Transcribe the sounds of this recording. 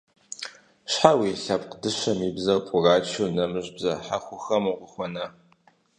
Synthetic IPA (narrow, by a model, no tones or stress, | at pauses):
ɕħawiːɬɐpqdɨɕɐmibzɐwpʼʊraːt͡ʃʰunɐmɨʒbzɐħaxʷʊxɐmuqʷʊxʷɔnɐ